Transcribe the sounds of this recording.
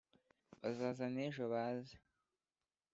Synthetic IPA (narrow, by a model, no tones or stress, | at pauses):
βazaːzaneʒoβaːzḁ